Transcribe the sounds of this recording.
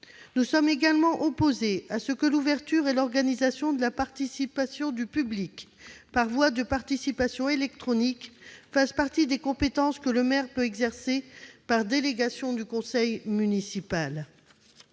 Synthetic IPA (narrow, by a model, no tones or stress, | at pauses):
nusɔmeɡalmɑ̃ʔɔpozeasəkəluvɛʁt̪yʁelɔʁɡanizasjɔ̃d̪əlapaʁt̪isipasjɔ̃d̪ypyblikpaʁvwad̪əpaʁt̪isipasjɔ̃elɛk̚t̪χɔnikfaspaʁt̪id̪ekɔ̃pet̪ɑ̃skələmɛʁpøɛɡzɛʁsepaʁd̪eleɡasjɔ̃d̪ykɔ̃sɛjmynisipal